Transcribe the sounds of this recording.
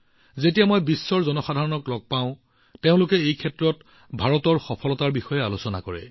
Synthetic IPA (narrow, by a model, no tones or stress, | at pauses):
zetijamojbisːɔɹzɔnɔxadʱaɹɔnɔklɔɡ̚paʊ̃ | teʊ̃lʊkɛejkʰɛtɹɔt | bʱaɹɔtɔɹxɔpʰɔlɔtaɹbixɔjɛalʊsɔna̰kɔɹɛ̰